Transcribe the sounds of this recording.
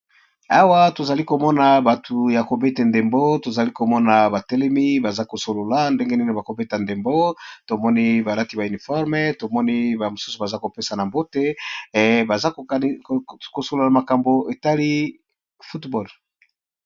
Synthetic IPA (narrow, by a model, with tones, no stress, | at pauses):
a˦wa˦to˨za˨li˦ko˨mɔ˦na˨ba˨tʰu˨ja˨ko˨be˦te˨nde˨mbo˦to˨za˨li˦ko˨mɔ˦na˨ba˨tɛ˦lɛ˦mi˦ba˨za˦ko˨so˨lo˨la˦nde˦ŋɡe˦ni˦ne˨ba˨ko˨be˦ta˨nde˨mbo˦to˨mɔ˦ni˦ba˨la˦ti˨ba˨y˨ni˨fɔ˦ʁme˦to˨mɔ˦ni˦ba˨mo˨su̥˦su˨ba˨za˦ko˨pe˦sa˨na˨mbo˦te˦ | ba˨za˦kko˨so˨lo˨la˨ma˨ka˨mbo˨e˨ta˦li˦ | fu˦tbɔ˦˨l